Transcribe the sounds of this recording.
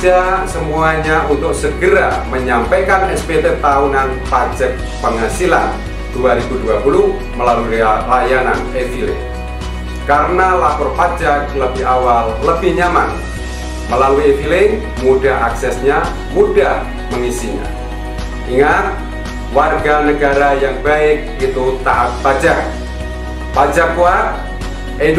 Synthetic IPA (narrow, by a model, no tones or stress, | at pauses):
asəmuaɲaʔunt̪ʊk̚səɡəɾa̰məɲampajkanɛspet̪ɛt̪aunan | pad͡ʒak̚pəŋasila̰n | d̥uaɾibuduapulu | məlalualajananevilɪ̰ŋ | kaɾənalakɔrpad͡ʒak̚ləbɪɦawalːəbɪhɲama̰n | məlaluievilɪŋ | mudahɦaksɛsɲa | mudah | məŋisiɲa̰ | iŋat̪̚ | warɡanəɡaɾajaŋbaɪk̚it̪ut̪aʔat̪̚pad͡ʒak̚ | pad͡ʒak̚kua | e